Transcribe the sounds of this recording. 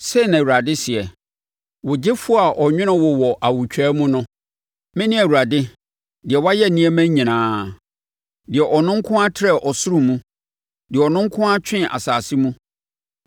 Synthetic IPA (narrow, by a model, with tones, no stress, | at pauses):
sɛ˦˨nã˨wu˨ɾa˨dɪ˦sɪ˨ɛ˨ | wʊ˨d͡ʑɪ˦fʊ˦a˨ʔɔ˨ɲᶣɪ̃˦nʊ̃˦wɔ˨wɔ˨ʔa˨wu˨t͡ɕᶣʰɛː˦mũ˦nʊ̃˦ | mɪ̃˦nɪ̃˦æ˨wu˨ɾa˨dɪ˦ | dɪ˨ɛ˨wa˦jɛ˦˨nĩ˦ɛ˦mæ̃˦ɲĩ˨nãː˨˦ | dɪ˨ɛ˨ʔɔ˨nʊ̃˦ŋ̩˦kʰʊ̃˦a˦tʰɪ˦ɾɛ˦˨ʔɔ˨sʊ˦ɾʊ̃˦mũ˦ | dɪ˨ɛ˨ɔ˨nʊ̃˦ŋ˦kʰʊ̃˦a˦t͡ɕᶣʰɪ̃˦ʔa̰˨saː˨sɪ˦mũ˦